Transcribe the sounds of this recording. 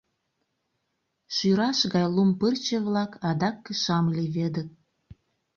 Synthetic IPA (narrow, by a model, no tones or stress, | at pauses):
ʃyɾɑʃɣɑjlumpərt͡ɕə̆βlɑkʰɑd̪ɑkːəʃɑmliβed̪ə̆k̚